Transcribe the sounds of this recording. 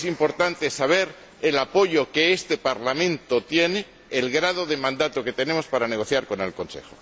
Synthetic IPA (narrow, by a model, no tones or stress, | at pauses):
simpo̞ɾt̪ant̪e̞saβ̞e̞ɾ | elapo̞ʝo̞keest̪e̞paɾlamẽnt̪o̞t̪je̞neː | lɣɾað̞o̞ðemãnd̪at̪oke̞t̪e̞ne̞mo̞spaɾane̞ɣ̞o̞θjaɾko̞ne̞lko̞nse̞̰xo